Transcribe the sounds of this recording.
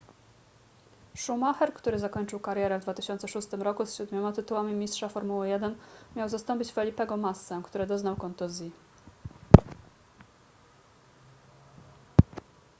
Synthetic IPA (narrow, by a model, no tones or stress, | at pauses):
ʂumaxɛɾkt̪uɾɘzakɔɲt͡ʂɘwkaɾʲjɛɾɛvd̪vat̪ɘ̥ɕɔnt̪sɛʂust̪ɘmɾɔkusɕud̪mʲɔmat̪ɘt̪uwamʲimʲistʂafɔɾmuwɛjɛd̪ɛnmʲjawzast̪ɔmʲpʲit͡ɕfɛlʲipɛɡɔmasːɛkt̪uɾɘd̪ɔznawkɔnt̪uzʲi